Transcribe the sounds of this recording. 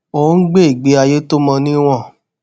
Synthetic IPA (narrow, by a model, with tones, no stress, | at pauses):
o˨˦n̩˦ɡ͡be˦i˨ɡ͡be˨˦a˧je˦to˦mɔ̃˧nĩ˦w̃ɔ̃˦˨